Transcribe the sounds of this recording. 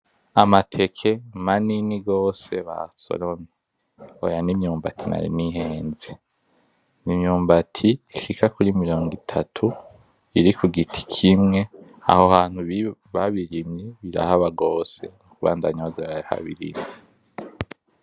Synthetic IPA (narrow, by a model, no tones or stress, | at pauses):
amatʰe̞kʰe̞maniniɡo̞ːse̞βa̰so̰ɾome | ojanimɲuːmbatʰina̰ɾḭniɦeːnze | nimɲuːmbatʰiːʃikakuɾimiɾo̞ːŋɡitʰatʰu | iɾikuɡitʰi̥kʰimŋe̞ | a̰hohaːn̥huβiβaβiɾimɲiβiɾa̰haβaɡo̞ːse̞̰nukuβa̰ːndaɲozeβaha̰βḭɾḭmɲe